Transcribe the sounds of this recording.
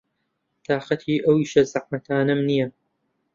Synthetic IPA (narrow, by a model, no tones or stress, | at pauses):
t̪ʰaːxɐt̪ʰiːʔɐwiːʃɐzɐħmɐt̪ʰaːnɐmnijɐ